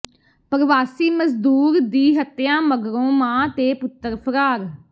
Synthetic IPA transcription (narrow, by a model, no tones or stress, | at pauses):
pəɾʋaːsiːməzd̪uːɾd̪iːɦət̪ːjãːməɡɾõːmãːt̪eːpʊt̪ːəɾpʰəɾaːɾ